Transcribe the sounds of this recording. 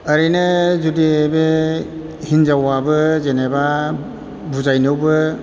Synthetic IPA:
əɾinezudibe | hinzawabɯzeneba | buzajnɯwbɯ

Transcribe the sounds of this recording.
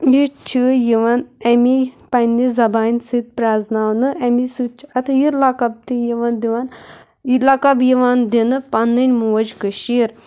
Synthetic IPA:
jit͡ʃʰijiʋɐnɐmi | pɐnːizɐbaːnʲsit̪̚pɾaːznaːʋnɨʔɐmisut͡ʃʰɐt̪jiɾlakɐb̚t̪ijiʋɐnd̪iʋan | lɐkɐbjiʋand̪inɨpɐnːɨnʲmuʋɐd͡ʒkɨʃiɾ

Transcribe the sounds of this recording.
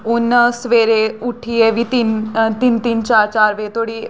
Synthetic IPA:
ʊnsʋeːɾeʊʈʰːiːɛʋiːt̪int̪ɪnt̪int͡ʃaːɾt͡ʃaːɾʋeːt̪ʰoːɽiː

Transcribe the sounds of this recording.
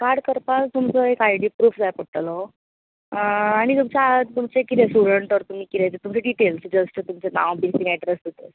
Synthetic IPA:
kaɾɽkəɾpast̪umt͡sɔekajɽipɾuːfd͡zajpoɽʈ̪lɔ | aɽ̃it̪umt͡ɕat̪umt͡sekit̪esuɽəɳʈɔɾt̪um̤iːkit̪ɛjt͡set̪umt͡seɖiʈelsd͡ʑəsʈt̪umt͡ɕenã̰ʋbiɾsĩŋɡɛɖɾesd̪ʱet̪əs

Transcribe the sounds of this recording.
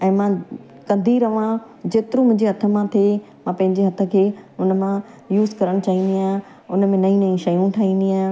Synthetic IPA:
ɛ̃ːmã | kɐ̃nd̪ʱiɾɐʋã | d͡ʑeːt̪ɪɾũmʊ̃ɦɪ̃ɲd͡ʑeɦɐt̪ʰə̆mãt̪ʰe | mãːpɐ̃ɦɪ̃ɲd͡ʑeɦɐt̪ʰə̆kʰeːʊnə̆mã | juːzkɐɾəɽ̃t͡ɕaːĩːn̆d̪iãː | ʊnmẽnɐĩnɐĩʃɐjũʈʰaːɦĩːn̆d̪iãː

